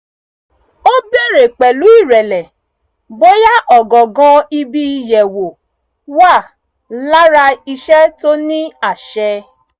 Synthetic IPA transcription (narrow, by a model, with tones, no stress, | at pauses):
o˦be˦˨ɾe˨k͡pɛ˨lu˨˦i˦˨ɾɛ˨lɛ˨ | bo˦ja˦ʔɔ˨ɡɔ˨ɡã˧i˧bi˧i˧jɛ˨wo˨ | wa˦˨ | la˦ɾa˧i˧ʃɛ˦to˦nĩ˦a˦˨ʃɛ˧